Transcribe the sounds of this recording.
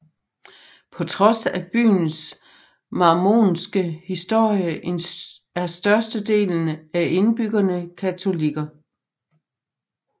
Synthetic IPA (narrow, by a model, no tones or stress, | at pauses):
pʰɒ̽t͡sʰʁɒ̽sæb̥y̰ːns | mɑ̈ːmo̝̰ːnsɡ̥əhisd̥o̝ɐ̰jəʔen | æɐsd̥ɶɐsd̥əd̥e̝̰ːln̩æʔe̝nb̥yɡ̥ɐnəkʰæt͡sʰo̝liɡ̥ɐ